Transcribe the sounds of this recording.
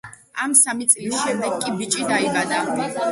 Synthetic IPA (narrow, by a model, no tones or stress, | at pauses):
amsamit̪sʼlisʃɛmd̪ɛɡkʼibit͡ʃʼid̪aibad̪a